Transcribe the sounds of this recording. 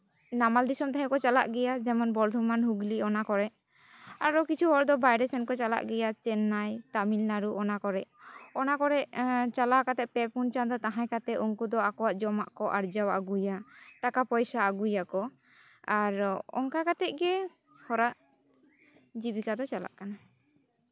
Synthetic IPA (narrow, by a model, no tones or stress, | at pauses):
namald̪isɔmt̪ɛɦɛ̃kɔt͡ʃala̰ʔɡɛjad͡ʒɛmɔnbɔɾd̪ʱɔmanɦuɡliɔnakɔɾɛʔ | aɾɔkit͡ʃʰuɦɔɾd̪ɔbajɖɛsɛnkɔt͡ʃala̰ʔɡɛjat͡ʃɛnːajt̪amilnaɾuʔɔnakɔɾɛʔɔnakɔɾɛʔt͡ʃalakat̪ɛʔ̚pɛpunt͡ʃand̪ɔt̪aɦãjkat̪ɛuŋkud̪ɔakɔwaʔd͡ʒɔmaʔkɔʔaɾd͡ʒawa̰ʔɡujaʈakapɔjsaːɡujakɔ | aɾɔ̰ŋkakat̪ɛʔ̪̚ɡɛ | hɔɾaʔ | d͡ʒibikad̪ɔt͡ʃala̰ʔkana